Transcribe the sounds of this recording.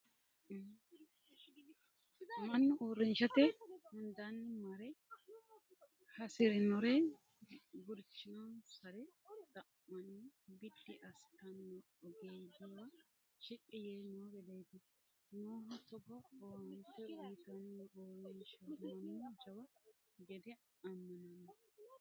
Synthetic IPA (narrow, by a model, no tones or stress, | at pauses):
mɐnːʊʔoːɾɪnʃɐt̪ɛhʊnd̪anːɪmɐɾɛ | hɐsɪɾɛnɔɾɛ | ɡʊɾt͡ʃːɪnɔnsɐɾɛt̪ʼɐmːɐnibɪd̪ːɪʔɐst̪ɐnːɔ | ɔɡiːɡɪwɐ | ʃɪkʼːɪjeːnoːɾɛd̪ɛjt̪ɪ | noːɦɐt̪ɔɡɐoːnt̪ːɛt̪ɐnoːɾɪnʃɐɐnːd͡ʒɐwɐ | ɡɛd̪ɛ | ɐmːɐnɐnːɔ